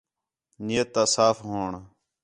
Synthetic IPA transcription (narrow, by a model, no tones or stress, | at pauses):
neːt̪ːaːsaːfɦoːɳ